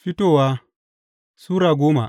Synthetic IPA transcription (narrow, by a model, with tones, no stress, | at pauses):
ɸi˦toː˦˨waː˦ | suː˦ɾaː˨ɡʷoː˦ma̰˨